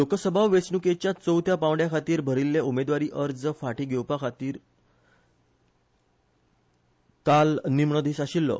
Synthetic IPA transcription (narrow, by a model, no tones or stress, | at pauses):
lokəsəbʱaʋʋesɳuket͡ɕjat͡səwt̪ʰjapãʋɽjakʰat̪iːɾbʱəɾilːeumed̪ʋaɾiːʔəɾd͡zəfaʈiːɡʱewpakʰat̪iːɾ | kalnimɳəd̪ʱiːsaɕilːɔ̰